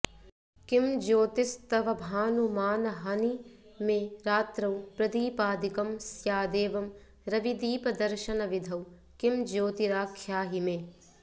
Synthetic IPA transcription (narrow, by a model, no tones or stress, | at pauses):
kimd͡ʒoːt̪ist̪ɐʋɐbʱaːnumaːnɐɦɐnimeːɾaːt̪ɾɐwpɾɐd̪iːpaːd̪ikɐmsjaːd̪eːʋɐm | ɾɐʋid̪iːpɐd̪ɐɾʃɐnɐʋid̪ʱɐw | kimd͡ʒoːt̪iɾaːkʰjaːɦimeː